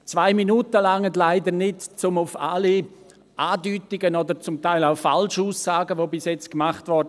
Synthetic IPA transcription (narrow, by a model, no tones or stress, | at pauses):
t͡svaɪminuːtəlaŋətlaɪdənɪtt͡sʊmʊfa̰li | ʔaːdyːtɪɡənɔdəɾt͡sʊmtaɪlaʊfalʃuːsːaːɡəvoːbɪsjɛt͡skmaχtvɔɾd